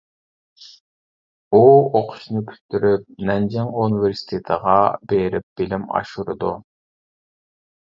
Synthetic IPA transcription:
uoqʰʊ̥ʃnɨkʲʰy̥ʃt̪yɾyp̚nɛnd͡ʒɛŋuniveɾsi̥t̪ʰet̪ʰəʁɑbeɾɪp̚b̥ɪlɪmɑ̰ʃuɾɨ̰d̪u

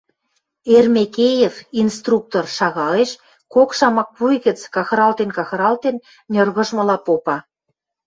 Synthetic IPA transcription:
ermekejevinst̪ruk̚t̪orʃɑɣɑeʃ | kokʃɑmɑk̚pujɣə̆t͡skɑxɾɑlt̪enkɑxɾɑlt̪en | nʲɤ̆rɣə̆ʒmɤ̆lɑpopɑ

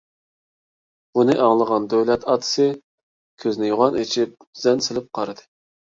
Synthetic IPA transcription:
bunɨʔɑŋlˠəʁɑnd̪øwlɛt̪ʰɑːt̪ʰɨ̥sɨ | kʲʰøznɪjoʁɑnet͡ʃʰip̚z̥ɛnsɪlɪp̚qʰɑɾɨd̪ɨ

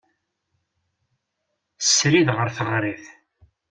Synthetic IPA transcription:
sːɾiðʁəɾθəʁɾiθ

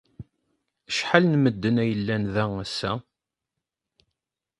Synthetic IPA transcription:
əʃħalnməd̪ːənæjəlːænðææsːæ

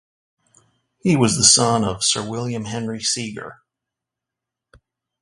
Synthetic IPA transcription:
hiwʌzðəsʌ̃nʌv̥sɜ˞wɪlˠjɨ̃mɦɛ̃nɹisiɡə̰˞

